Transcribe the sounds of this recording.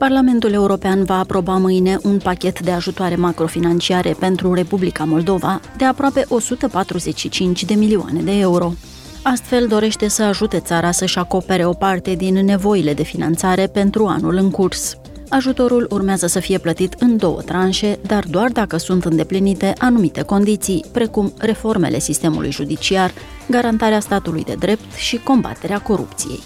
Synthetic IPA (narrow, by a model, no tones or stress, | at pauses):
parlame̞nt̪ule̞uɾo̞peanvaːpɾo̞bamɨjne̞ʔunpakʲe̞t̪d̪e̞aʒut̪oaɾe̞makɾo̞finant͡ʃiaɾepe̞nt̪ɾure̞publikamo̞ld̪o̞vad̪e̞apɾoape̞ʔo̞sut̪əpat̪ɾuze̞t͡ʃʲʃit͡ʃint͡ʃʲd̪e̞milioa̰ne̞d̪e̞euɾo̞ | ast̪fe̞ld̪o̞ɾe̞ʃt̪e̞səaʒut̪e̞t̪saɾasəʃako̞pe̞ɾe̞o̞part̪e̞d̪inːe̞vo̞ile̞d̪e̞finant̪saɾe̞pe̞nt̪ɾua̰nulɨŋkurs | aʒut̪o̞ɾulurmeazəsəfije̞plət̪it̪ɨnd̪o̞wə̰t̪ɾanʃe̞d̪ard̪oard̪akəsunt̪ɨnd̪e̞plinit̪e̞ʔanumit̪e̞ko̞nd̪it̪sijpɾe̞kumre̞fo̞rme̞̰lʔe̞̰sist̪e̞mṵlṵjʒud̪it͡ʃiar | ɡaɾant̪aɾeast̪at̪ulṵjd̪e̞̰d̪ɾe̞p̚t̪ʃiko̞mba̰t̪e̞ɾeako̞ɾṵp̚t̪sijḛj